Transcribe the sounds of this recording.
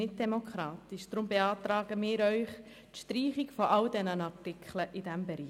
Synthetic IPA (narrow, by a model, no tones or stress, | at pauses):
ɪt̚d̥ɛmokχɾɑːt̪ɪʃd̪̥ɾʊmbeɑːt̪ɾaːɡ̥əmɪːɾœʏχ | tʃtɾiːχɪkfɔʔɑldɛnənɑtɪkʰχləʔɪdæmbɛɾiː